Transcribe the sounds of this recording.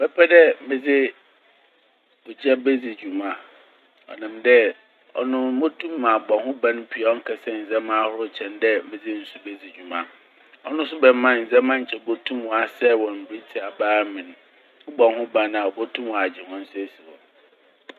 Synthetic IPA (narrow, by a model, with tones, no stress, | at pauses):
b̥ɛ˦pʰɛ˦dɛ˦mɪ̃˨d͡zɪ˦ | bʊ˨d͡ʑɛ˦bɛ˦d͡zi˨d͡ʑᶣu˨mã˨ | ɔ̰˨nã˨mdɛ˦ | ɔ̰˨nʊ̃˦mo˦tʰũ˦mː˦ã˨bɔ˨hʊ̃˦bã˦n̩˦pʰi˨a˨ɔ˦ŋ̩˦kʰɛ˨sɛ˦n̩˨zɛ˦mã˦hʊ˦ɾʊ˦˨t͡ɕʰɛ̃˨ndɛ˦mɪ̃˨d͡zɪ˦n̩˨su˦bɛ˦d͡zi˨d͡ʑᶣu˨mã̰˨ | ɔ˦nʊ̃˦s̬ʊ˦bɛ˨m˦mã˦n̩˨zɛ̃˦mã˦ɲ̩˨t͡ɕʰɛ˨bo˦tʰũ˦m̃˨a˨sɛ˦wɔ̃˨m̩˨bɾi˦tʰi˨a˨baː˦mɪ̃˨ñ˨ | ʊ˦bɔ̃˨hʊ̃˦bã˦n˨a˨ɔ˨bo˦tʰũ˦mwa˨d͡ʑɪ˨hɔ̃˦n̩˦sʊ˦æ˨si˨wɔ̰̃˨n